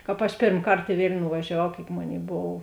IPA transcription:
ˈkɑːp ɐʃ ˈpʲeːrm ˈkɐrt ɪ ˈʋʲeːlʲnʲʊ nʊʋɐʒʲɛˈʋɐʊ kʲeːɪk ˈmoːˌnʲeːɪ ˈboːw

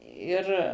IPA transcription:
ˈɪr

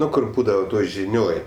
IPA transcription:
ˈnʊ ˈkʊr ˈbuːdɐʋɐ ˈtoːj ʒʲɪˈnʲoːj

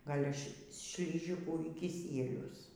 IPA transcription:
ˈɡɐlʲ ʃ ʃʲlʲɪˈʒʲɪkuː iː kʲɪˈsʲiɛlʲʊs

